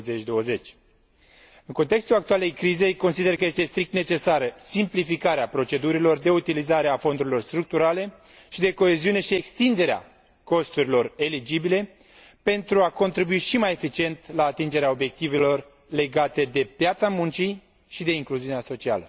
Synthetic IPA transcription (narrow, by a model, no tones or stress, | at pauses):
zet͡ʃʲd̪o̞wəze̞t͡ʃʲ | ɨŋkont̪e̞kst̪ulak̚t̪uale̞jkɾize̞jko̞nsid̪e̞rkəje̞st̪e̞st̪ɾik̚t̪ne̞t͡ʃe̞saɾəsimplifikaɾeapɾo̞t͡ʃe̞d̪uɾilo̞rd̪e̞ut̪ilizaɾeafo̞nd̪uɾilo̞rst̪ɾuk̚t̪uɾale̞ | ʃid̪e̞ko̞e̞ziune̞ʃiekst̪ind̪e̞ɾea̰ | ko̞st̪uɾilo̞re̞lid͡ʒibile̞ | pe̞nt̪ɾuako̞nt̪ɾibuiʃimaje̞fit͡ʃie̞nt̪laːt̪ind͡ʒe̞ɾeao̞bjek̚t̪ive̞lo̞r | le̞ɡat̪e̞d̪e̞pjat̪samunt͡ʃi | ʃid̪e̞iŋkluziuneaso̞t͡ʃia̰lə